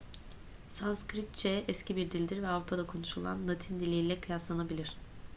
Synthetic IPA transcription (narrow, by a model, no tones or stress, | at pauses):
sanskɾit̪̚t͡ʃɛʔɛscʰibiɾd̪ilʲd̪iɾvɛavɾupʰad̪akʰo̞nuʃulˠa̰nlˠat̪ʰind̪ilʲeilʲɛkʰɯjaslˠanabilʲiɾ̝̥